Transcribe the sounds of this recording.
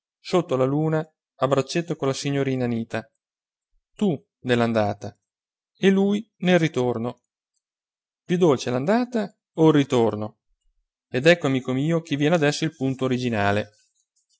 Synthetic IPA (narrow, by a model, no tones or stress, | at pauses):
sot̪ːolaluːnaː | bɾat͡ʃːet̪ːokolasiɲːoɾiːnaniːt̪a | t̪u | neland̪aːt̪a | eluːj | nelrit̪orno | pjud̪ːolt͡ʃeɛland̪aːt̪a | oirːit̪orno | ed̪ɛkːoamiːkomiːok̟evːjɛnead̪ɛsːoilpunt̪oːɾid͡ʒinaːle